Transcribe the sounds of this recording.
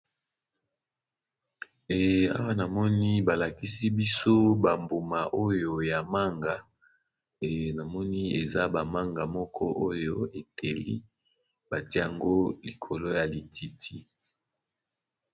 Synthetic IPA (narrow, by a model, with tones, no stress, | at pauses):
ɛ˨a̰˦wa˦na˨mɔ˦ni˦ba˨la˨ki˦si˦bi˦so˦ba˨mbo˨ma˨ʔo˦jo˨ja˨ma˦ŋɡa˨ | ɛ˨na˨mɔ˦ni˦e˨za˦ba˨ma˦ŋɡa˨mɔ˦kʰɔ˦ʔo˦jo˦e˨tʰe˨lḭ˦ | ba˨te˦ja˨ŋɡo˦li˨kʰo˨lo˦ja˨li˨ti˨tʰi˦